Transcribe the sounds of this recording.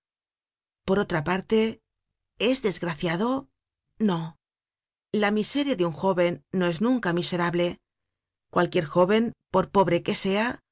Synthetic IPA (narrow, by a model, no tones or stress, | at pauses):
po̞ɾo̞t̪ɾapaɾt̪e̞ | e̞zðe̞zɣɾaθjaðo̞ | no̞ | lamise̞ɾjaðeuŋxo̞βe̞nːo̞e̞znũŋkamise̞ɾaβle̞ | kwalkje̞ɾxo̞βe̞mpo̞ɾpo̞βɾe̞ke̞se̞a